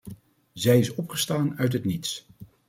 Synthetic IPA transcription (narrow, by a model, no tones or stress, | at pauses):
zɛjɪsɔpχəstaːnœɥtɦətnits